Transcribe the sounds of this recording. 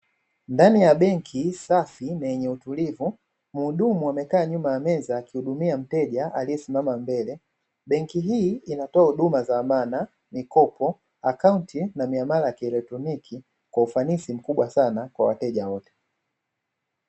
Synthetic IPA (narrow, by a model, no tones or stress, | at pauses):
ndanijaɓɛŋkʰisafinajɛɲɛutulivu | muɗumuamɛkaːɲumajamɛzaːkihuɗumiam̩tɛʄaalijɛsimamambɛlɛ | ɓɛŋkiɦiːinatɔahuɗumazamana | mikɔpɔ | akauntinamiamaɾajakiɛlɛk̚tɾɔnikʰi | kwaufanisim̩kuɓwasanakwawa̰tɛʄawɔtɛ̥